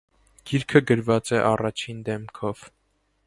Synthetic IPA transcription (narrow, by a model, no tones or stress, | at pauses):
ɡ̥iɾkʰəɡəɾvɑt͡sɛʔɑrɑt͡ʃʰind̪ɛmkʰɔv̥